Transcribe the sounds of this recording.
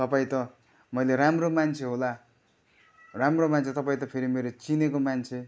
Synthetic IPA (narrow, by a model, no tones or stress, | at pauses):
t̪ʌpaĩt̪ʌ | mʌjleramromant͡sʰeɦola | ramromant͡sʰet̪ʌpaĩt̪ʌpʰeɾimeɾot͡sinekomant͡sʰe